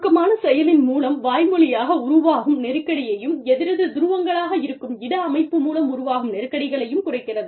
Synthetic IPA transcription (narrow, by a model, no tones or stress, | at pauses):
kːɐmaːnɐsɛjɐlɪnmuːlɐmʋaːjmɯlɪjaːɣɐʊɾʊʋaːɣɯmnɛɾɯkːɐɽɪjɐjɯmɛðɪɾɐðɯd̪ʊɾɯʋɐŋɡɐɭaːɣɐɪɾɯkːɯmɪɽɐɐmɐɪpːɯmuːlɐmʊɾʊʋaːɣɯmnɛɾɯkːɐɽɪɣɐɭɐjɯmkʊrɐɪkːɪrɐðɯ